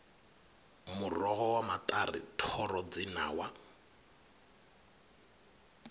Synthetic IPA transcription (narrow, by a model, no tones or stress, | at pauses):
murɔɦɔwamatʼarḭtʰɔrɔd͡zinaːwa